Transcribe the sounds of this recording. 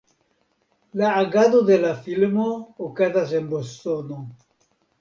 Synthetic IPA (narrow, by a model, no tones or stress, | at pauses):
laːɡaðoðelafilmookaðazembost̪ono